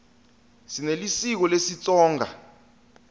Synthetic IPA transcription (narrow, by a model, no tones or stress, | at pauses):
sinelisik̬ɔlesit͡sʼɔːŋʱa̰